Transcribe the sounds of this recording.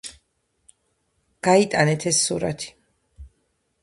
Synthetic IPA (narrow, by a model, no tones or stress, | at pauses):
ɡ̥ait̪ʼanɛt̪ʰɛsːuɾa̰t̪ʰi̥